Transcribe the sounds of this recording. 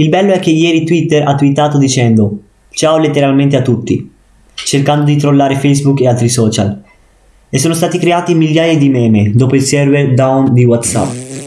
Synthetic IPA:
ilbɛlːoɛk̟ːejɛːɾit̪wit̪ːeɾa̰t̪ːuit̪ːaːt̪od̪it͡ʃɛnd̪o | t͡ʃaːwlet̪ːeɾalment̪̬eat̪ːut̪ːḭ | t͡ʃerkand̪od̪it̪ɾolːaːɾefɛjzbukːealt̪ɾisɔːt͡ʃa̰l | esːoːnost̪aːt̪ikɾeaːt̪imiʎːjaːjed̪imɛːmed̪oːpoilsɛrverd̪awnd̪iwat̪sa̰pː

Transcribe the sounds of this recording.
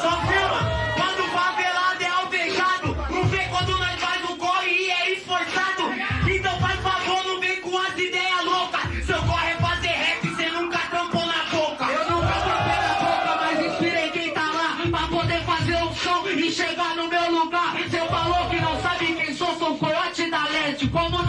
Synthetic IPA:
sɔfimɐkwɐ̃nd̪ʊvavelad̪ɛawfẽnt̪ad̪ʊnũvekwɐ̃nd̪ʊnɐ̃w̃fazʊɡohɪɛĩfoɾsad̪ʊẽt̪ɐ̃w̃vajfavoɾnʊmejkũazɪd̪ɛjɐlokɐsewkɔhepad̪eɦɛtɪsenũkɐt̪ɾɐ̃mponɐbokɐewnũwkɐsɐ̃pɛɡabokɐmajzĩspiɾẽj̃kẽj̃t̪alapɾɐpod̪eɾfazeɾoʊpsɐ̃w̃ɪʃeɡaɾnʊmewluɡaɾsewfalowkɪnɐ̃w̃sabɪkẽj̃sõsõwkoɔt͡ʃɪd̪alẽt͡ʃɪkwɐ̃d̪ʊ

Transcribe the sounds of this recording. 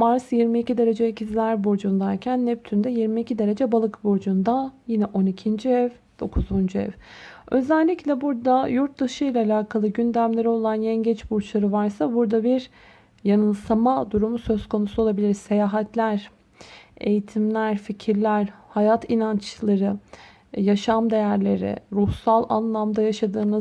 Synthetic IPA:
maɾsjiɾmiːcid̪e̞ɾe̞d͡ʒɛicʰizlʲæɾboɾd͡ʒund̪aɾcʰænːɛp̚t̪ʰynd̪ɛjiɾmiːcʰid̪e̞ɾe̞d͡ʒɛbalˠɯkboɾd͡ʒund̪ajinɛʔo̞nicʰind͡ʒiɛv | d̪̥o̞kʰuzund͡ʒyɛ̰v̥ | ø̞zælʲːiclʲɛbuɾd̪ajuɾt̪̚d̪aʃɯjlʲaːlʲaːkʰalˠɯɟynd̪æmlʲe̞ɾio̞lˠanjɛnɟɛt͡ʃbuɾt͡ʃlˠaɾɯvaɾsabuɾd̪abiɾ | janɯnsamad̪uɾumusø̞zkʰo̞nusuo̞lˠabilʲiɾse̞jaːɦɛt̪ʰlʲæɾ̥ | e̞̰jit̪ʰimlʲæɾficʰiɾlʲæɾhajat̪ʰinant͡ʃlˠaɾɯ | jaʃamd̪e̞jæɾlʲe̞ɾɪ̰ɾuhsalˠa̰nlˠamd̪ajaʃad̪ɯːnɯ

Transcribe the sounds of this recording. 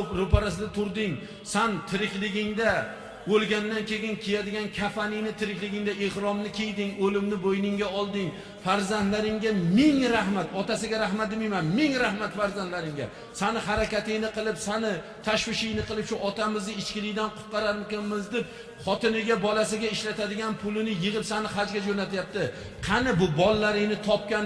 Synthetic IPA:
pɾopaɾas̬ɪd̪at̪ʰʊɾd̪ɪŋ | sant̪ʰɪɾɪkʲlɪɡʲɪŋd̪a | bolˠɡʲanːankʲʰe̞ɡʲɪnkʲʰejad̪ɪɡʲankʲʰafanɪjnɪt̪ʰɪɾɪkʲlɪɡʲɪŋd̪aʔehɾɒmnɪkʲʰejd̪ɪŋɵlɪmnɪbojnɪŋɡʲaɒlˠd̪ɪŋ | faɾzant̪laɾɪŋɡʲamɪŋɾahmat̪ɒt̪asɪɡʲaɾahmat̪̚d̪ɪmajmanmɪŋɾahmat̪faɾzant̪laɾɪŋɡʲa̰ | sanɪhaɾakʲat̪ɪjnɪqɨlˠɪpsanɪ | t̪ʰaʃwɪʃɪjnɪqɨlˠɪpʃʊʔɒt̪amɪznɪɪt͡ʃkʲɪlɪkʲd̪anqʰʊ̥t̪̚qɑɾaɾmɪkʲanmɪzd̪ɪp̚ | χɒt̪ɪnɪɡʲabɒlas̬ɪɡʲaɪʃlat̪ʰad̪ɪɡʲanpʰʊlɪnɪjɨʁɨpsanɪχad͡ʒɡʲad͡ʒonat̪jap̚t̪ɪ | qʰɑnɪbʊbɒlˠːaɾɪŋnɪt̪ʰɒp̚kʲan

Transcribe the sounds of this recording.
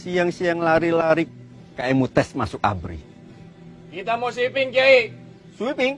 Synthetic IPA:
sijaŋsiaŋlaɾilaɾik | kːaɛmut̪ɛsmasʊka̰bɾḭ | kit̪amosuipiŋkei | suipiŋ

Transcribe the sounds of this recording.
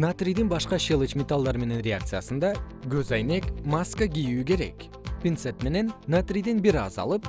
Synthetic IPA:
nat̪rʲijd̪inbɑʃqɑʃelˠɨt͡ʃmʲet̪alˠd̪ɑɾme̞ne̞nrʲeak̚t̪sɨjasɯnd̪ɑɡøzɑjne̞kmaskəɡʲijyːke̞ɾe̞̰k | pʲint̪set̪me̞ne̞nːat̪rʲijd̪inbiɾɑ̰zɑ̰lˠɯp̚

